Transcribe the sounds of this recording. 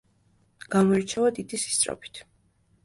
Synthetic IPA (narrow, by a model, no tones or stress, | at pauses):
ɡ̥amɔɛɾt͡ʃʰavad̪id̪isi̥st̪sʼɾɔ̰pʰi̥t̪ʰ